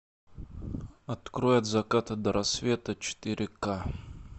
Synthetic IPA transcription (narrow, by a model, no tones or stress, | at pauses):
ɐt̪kɾojɐt̪zɐkat̪ɐd̪ɐɾɐsvʲe̞t̪ət͡ʃɪ̥t̪ɨɾʲɪka